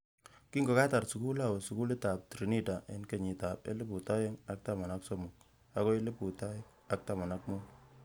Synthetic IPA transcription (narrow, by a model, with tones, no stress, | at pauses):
ki˦ŋɡo˨ka˦ta˨rsu˨ku˦la˦˨we˨su˨ku˦le˦ta˨p̚tɾi˨ni˦ta˨ʔe˨nke˨ɲi˨ta˨pḛ˦le˦pu˨ta˦je˦ŋa˦k̚ta˨ma˨na˦kso˦mu˨k̚ | a˦ko˦e˦le˦pu˨ta˦j | a˦k̚ta˨ma˨na˦k̚mu˦n